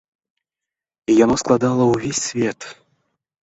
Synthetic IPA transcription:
ijɔnɔsklˠɑd̪ɑlˠəuvʲesʲsvʲet̪

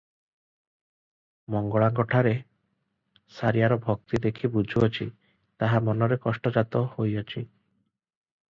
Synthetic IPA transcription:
mɔŋɡɔɭaŋɡɔʈʰaɾe | saɾijaɾɔbʱɔk̚t̪id̪ekʰibud͡ʒʱuɔt͡ʃʰi | t̪aɦamɔnɔɾekɔsʈɔd͡ʒat̪ɔhojɔt͡ʃʰi

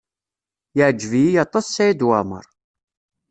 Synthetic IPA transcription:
jəʕd͡ʒːvijijɑt̪ˤɑsːæjid̪wamə̰ɾˤ

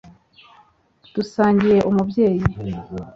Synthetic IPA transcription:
d̥usaːɲɟiɾe̞ʔumubɟe̞ːji

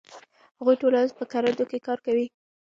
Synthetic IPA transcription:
haɣujʈolanzpəkaɾad̪okekɑɾkawi

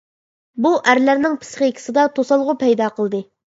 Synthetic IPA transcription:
buʔæɾlæɾnɪŋpʰɨ̥sχekʲʰi̥sɪd̪ɑt̪ʰosɑlˠʁʊpʰɛjd̪ɑqəlˠd̪ɨ

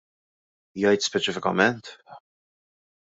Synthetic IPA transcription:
jɐjt̪spɛt͡ʃɪfɪkɐmɛnt̪

